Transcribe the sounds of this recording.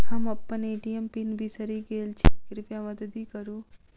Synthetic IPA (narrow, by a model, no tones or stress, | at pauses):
ɦɐmɐpːəneːʈiempinbʱisəɾiɡeːlt͡ʃʰikɾipjamɐd̪əd̪iːkəɾuː